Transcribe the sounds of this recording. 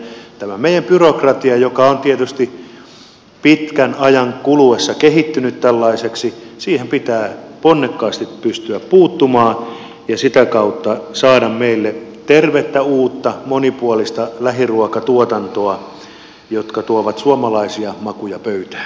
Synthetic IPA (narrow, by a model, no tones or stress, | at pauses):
t̪æmæmeijæmpyrokrɑt̪iɑjokɑont̪iet̪yst̪i | pit̪kænɑjɑŋkuluesːɑkehit̪ːynyt̪t̪ælːɑiseksisiːhempit̪æːponːekːɑːst̪ippyst̪yæppuːt̪ːumɑː | jɑsit̪ækɑut̪ːɑsɑːdɑmmeilːet̪erʋet̪ːæuːt̪ːɑmonipuolist̪ɑlæɦiruokɑt̪uot̪ɑnt̪oɑ | jot̪kɑt̪uoʋɑt̪suomɑlɑisiɑmɑkujɑpøyt̪æ̥ː